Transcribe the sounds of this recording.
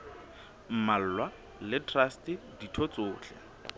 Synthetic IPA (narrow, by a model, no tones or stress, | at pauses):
m̩mal̩lwa | lɪtʰʼrastɪ | ditʰɔt͡sʊːɬɛ̰